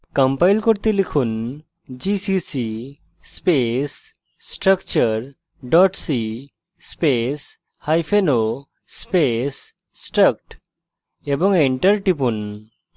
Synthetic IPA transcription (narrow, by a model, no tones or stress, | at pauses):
kəmpajlkoɾt̪elikʰun | d͡ʒisisi | spes | sʈɾəkt͡ʃəɾ | ɖɔʈsi | spes | hajpʰeno | spes | sʈɾək̚ʈ | ebɔŋeɳʈəɾʈipun